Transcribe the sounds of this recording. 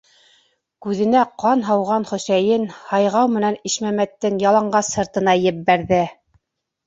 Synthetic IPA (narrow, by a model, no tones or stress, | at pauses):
kʉðɘ̆næqɑnɦɑwʁɑnχɵ̆sæjɘnhɑjʁɑwmɘ̆næniʃmæmæt̪ːɘŋjɑlˠɑɴɢɑsɤ̆ɾt̪ɤ̆nɑjɘ̆p̚bæɾðɘ